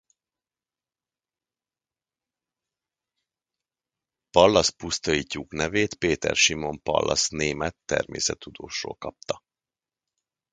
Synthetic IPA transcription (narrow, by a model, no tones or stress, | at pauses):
pɒlːɒspust̪ojicːuknɛveːt̪peːt̪ɛrʃimo̞mpɒ̰lːɒsneːmɛt̪ːɛ̰rmḛːsɛt̪ːud̪oːʃo̰ːlkɒp̚t̪ɒ